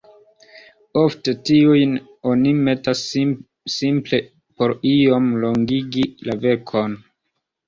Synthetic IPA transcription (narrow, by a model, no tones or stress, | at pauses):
o̞fte̞tiujn | o̞nime̞tasː | imple̞ | po̞ɾio̞mlo̞ŋɡiɡilave̞kʰo̞n